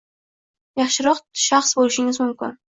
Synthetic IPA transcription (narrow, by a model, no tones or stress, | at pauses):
jɑχʃɪɾɒqʃɑχsbolɪʃɪŋʲɪzmʊmkʲɪ̰n